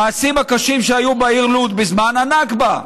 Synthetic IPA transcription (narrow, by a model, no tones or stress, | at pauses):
aːsimhakaʃimʃeajubaiʁlut̪bizmananakba